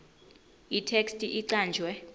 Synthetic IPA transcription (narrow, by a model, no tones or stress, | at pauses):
itʰekstʼiʔiǀaːnd͡ʒʱwɛ